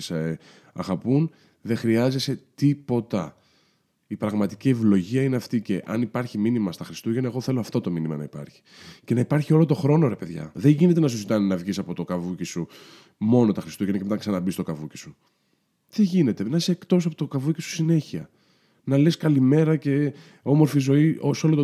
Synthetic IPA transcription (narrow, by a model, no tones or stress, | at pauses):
s | ɐɣɐpun | ðe̞xɾiɐze̞se̞t̪ipo̞t̪ɐ | ipɾɐɣmɐt̪i̥cie̞vlo̞ʝiɐineɐft̪ice̞ʔɐnipɐɾçiminimɐst̪ɐxɾist̪uʝenɐeɣo̞θe̞loɐft̪o̞t̪o̞minimɐ̰nɐ̰ipɐ̰ɾçi̥ce̞nɐipɐɾçio̞lo̞t̪o̞xɾo̞no̞ɾe̞pe̞ðʝɐ̰ðeɲʝine̞t̪̬enɐs̬uzit̪ɐninɐvʝisɐpo̞t̪o̞kɐvucisu | mo̞no̞t̪ɐxɾist̪uʝenɐcemet̪ɐksɐnɐbist̪okɐvuci̥su | t̪eʝine̞t̪e̞nɐiseːkt̪o̞s̬ɐpot̪okɐvucisu̥sine̞çiɐ̰ | nɐleskɐlime̞ɾɐce̞ | o̞mo̞ɾfizo̞iʔosolot̪